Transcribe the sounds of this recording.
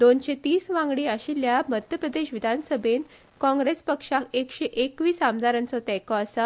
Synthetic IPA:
d̪onɕet̪iːsʋãŋɡɽiːaɕiljamət̪ʰjəpɾəd̪eɕʋid̪ʱansəbʱen | kɔ̃ŋɡɾespəkʂakekɕeʔekʋiːsamd̪aɾãnt͡sɔt̪ɛkɔasa

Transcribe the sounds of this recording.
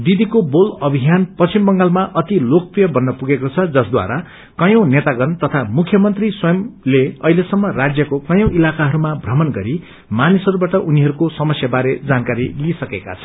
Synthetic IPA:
d̪id̪ikobolʌbʱiɦjanpʌst͡simbʌŋɡalmaʔʌt̪ilok̚prijʌbʌnːʌpuɡekot͡sʰʌd͡zʌsd̪wa̰ɾa | kʌjʌ̃w̃net̪aɡʌnt̪ʌt̪ʰamukʰjʌmʌnt̪riswʌjʌmleʌɦilesʌmːʌrad͡zjʌkokʌjʌ̃w̃ʔilakaɦʌɾumabʱrʌmʌnɡʌɾi | manisʌɾubaʈʌʔuniɦʌɾukosʌmʌsjabaɾed͡zankaɾilisʌkeka̰t͡sʰʌ̥

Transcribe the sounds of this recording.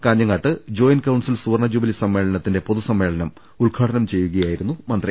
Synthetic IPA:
kaːɲːɐŋːaːʈːɨd͡ʑo̞ːjnkɐwɳɖsilsuːrɳɐd͡ʑuːbilisɐmːe̞ːɭɐnɐt̪ːinde̞poðusɐmːe̞ːɭɐnɐm | uɭɡʰʱaːʈʰɐnɐmt͡ɕe̞jːuɣɐjaːjiɾunːumɐnd̪ri

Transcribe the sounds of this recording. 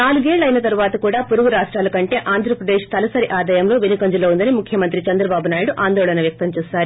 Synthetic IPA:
naːluɡeːɭːɐjnɐt̪ɐɾuʋaːt̪ɐkuːɽaːpuɾuɡuɾaːʂʈɾaːlɐkɐɳʈe̞ːʔaːnd̪ʱɾɐpɾɐd̪eːʂt̪ɐlɐsɐɾiʔaːd̪aːjɐmlo̞ːʋenukɐɲd͡ʒuloːund̪ɐnimukʰjɐmɐnt̪ɾit͡ʃɐnd̪ɾɐbaːbunaːjuɽuʔaːnd̪ɔːɭɐnɐʋjɐk̚t̪ɐmt͡ʃɛːsaːɾu

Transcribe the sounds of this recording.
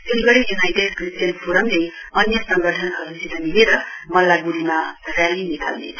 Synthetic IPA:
setiɡʌɽijunajʈeɖkrisʈjʌnpʰuɾʌmle | ʌnjʌsʌŋɡʌʈʰʌnkʌɾusit̪ʌniɦeɾʌmʌlːaɡuɾimarjalinikʰa̰lnḛ

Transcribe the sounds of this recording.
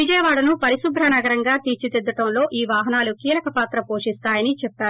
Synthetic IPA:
ʋid͡ʒɐjɐʋaːɽɐnupɐɾiʃubʱɾɐnɐɡɐɾɐŋɡaːt̪iːt͡ʃit̪ed̪ːɐʈɐmlo̞ːʔiːʋaːɦɐnaːlukiːlɐkɐpaːt̪ɾɐpo̞ːʂist̪aːjɐnit͡ʃɛpːaːɾu

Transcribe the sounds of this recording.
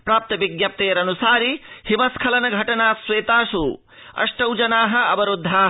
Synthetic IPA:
pɾaːp̚t̪ɐbiɡjɐp̚t̪eːɾɐnusaːɾihimɐskʰɐlɐnɐɡʱɐʈɐnaːsweːt̪aːsu | ɐ̰sʈɐwd͡ʒɐnaːɦɐ̆ɐbɐɾud̪ʱːaːɦ

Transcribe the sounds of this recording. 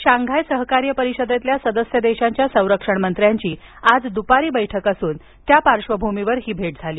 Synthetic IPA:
ɕaŋɡʱajsəɦkaɾjəpəɾiɕəd̪et̪ljasəd̪əsjəd̪eɕaɲt͡ɕjasə̃w̃ɾəkʂəɳmənt̪ɾjaɲt͡ɕiː | ad͡zd̪upaɾiːbəjʈʰəkəsuːn | t̪japaɾʂʋəbʱumiʋəɾɦiːbʱeʈ̚d͡zʱaliː

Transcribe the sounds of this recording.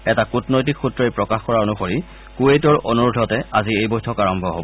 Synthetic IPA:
ɛtakutnɔjt̬ikʰxutɹɔjpɹɔkaxkɔɹaonuxoɹi | kuetɔɹonuɹudʱɔtɛaziejbɔjtʰɔkaɹɔmbʱɔɦo̰bɔ

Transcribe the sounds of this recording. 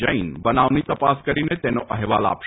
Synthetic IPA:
əinbɐnaːʋnit̪ɐpaːskɐɾinet̪ɛːnoʔɐɦɛʋa̰ːla̰ːp

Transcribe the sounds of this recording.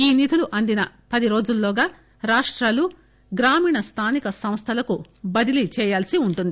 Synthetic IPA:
iːnit̪ʰuluʔɐnd̪inɐ | pɐd̪iɾo̞ːd͡ʒulːɔːɡaː | ɾaːʂʈɾaːlu | ɡɾaːmiːɳɐst̪ʰaːnikɐsɐm̃st̪ʰɐlɐku | bɐd̪ilit͡ʃɛːjaːlsiuɳʈund̪i

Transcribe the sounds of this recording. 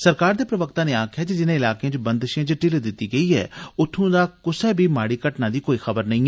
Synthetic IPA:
səɾkaːɾd̪eːpɾəʋəkt̪aːneːaːkʰjaːd͡ʒed͡ʒɪnẽːɪlaːkeãt͡ʃbə̃nd̪ʃãːt͡ʃʈɪld̪ɪt̪ːiːɡəiːɛ̰ːʊt̪ʰːũːd̪aːkʊsɛːbʱiːmaːɽiːkəʈnãːd̪iːkoːiːxəbəɾnə̃ĩː

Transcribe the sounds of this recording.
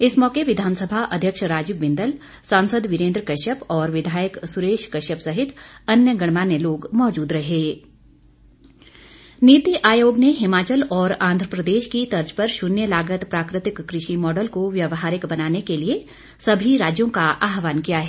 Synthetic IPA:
ɪsmɔːkeʋɪd̪ʱaːnsəbʱaʔɐd̪ʱjəkʃɾaːd͡ʒɪʋɪ̃nd̪əl | sãːnsəd̪ʋɪɾẽːnd̪ɾkɐʃəpɔːɾʋɪd̪ʱaːjəksʊɾeːʃkɐʃəpsɐɦɪt̪ɐnjəɡɐɽ̃maːnjeloːɡmɔːd͡ʒuːd̪ɾɐɦeː | niːt̪iʔaːjoːɡneɦɪmaːt͡ʃəlɔːɾãːnd̪ʱɾəpɾəd̪eːʃkit̪ɐɾd͡ʒpɐɾʃʊnjəlaːɡət̪pɾaːkɾɪt̪ɪkːɾɪʃimɔːɖəlkoʋjɐʋɦaːɾɪkbɐnaːnekelie | sɐbʱiɾaːd͡ʒjõkaʔaːɦʋaːnkijaɦɛː

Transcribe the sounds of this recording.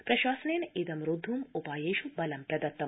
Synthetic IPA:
pɾɐʃaːsɐneneːd̪ɐmɾud̪ʱːumupaːjeːʃubɐlɐmpɾɐd̪ɐt̪ːɐ

